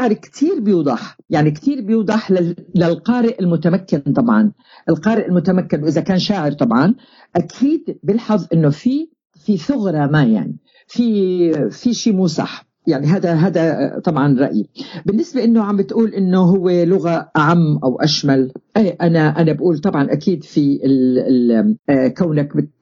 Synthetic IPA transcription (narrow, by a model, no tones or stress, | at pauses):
ʕɾkt̪ʰiːɾbjuːd̪ˤɑħjaʕnikt̪iːɾbjuːd̪ˤɑħlalalqɑːɾɪʔɪlmʊt̪amakːɪnt̪ˤɑbʕɑ̰n | ʔɪlqɑːɾɪʔɪlmʊt̪amakːɪnwʔɪzakaːnʃaːʕɪɾt̪ˤɑbʕɑn | ʔakʰiːd̪bɪlħɑðˤʔɪnːofi | fiθʊɣɾˤɑmaja̰ʕni | fi | fiʃiːmuːsˤɑ̰ħ | jaʕniɦaːd̪aɦaːd̪at̪ˤɑbʕɑnɾˤɑ̰ʔjḭbɪnːɪsbaʔɪnːoʕambɪt̪ʔuːlʔɪnːoɦʊwːelʊɣaʔaʕamːʔawʔaʃmalʔeːʔanaʔanabʔuːlt̪ˤɑbʕɑnʔakiːd̪fiɪ | kawnakbɪt̪̚